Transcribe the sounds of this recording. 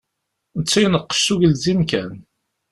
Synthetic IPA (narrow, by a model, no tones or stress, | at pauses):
nət͡sːijnəqːə̥ʃuʝəlzimkæn